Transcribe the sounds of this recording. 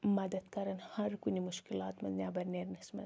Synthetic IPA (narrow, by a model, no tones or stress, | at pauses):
mɐd̪ɐt̪kɐɾɐnhɐɾkunimuʃkilɑːt̪mɐznʲjaːbɐɾneɾnɐsmɐ̰